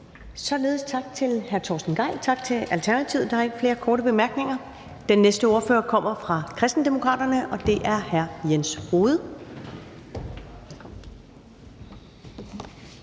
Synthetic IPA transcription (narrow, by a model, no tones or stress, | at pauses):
sɒ̽le̝ːð̞̩ˠst͡sʰɑ̈ɡ̥̚t͡sʰe̝lhæɐt͡sʰɒ̰ːsd̥n̩ɡ̥ɑ̈ɪ̰lt͡sʰɑ̈ɡ̥̚t͡sʰe̝ælt͡sʰæɐnæt͡sʰiʊ̰d̥ɑæɐeɡ̥əfle̝ːɐkʰɒːɾəb̥e̝mæɐɡ̥ne̝ŋɐ | d̥enːesd̥əo̝ːɐføːɐkʰɒ̽m̰ɐfʁɑ̈kʰʁɛsd̥n̩d̥e̝mo̝kʰʁɑ̰ːd̥ɐnəʔɒ̽d̥e̝ʔæɐhæɐjensho̝ːð̞̩ˠ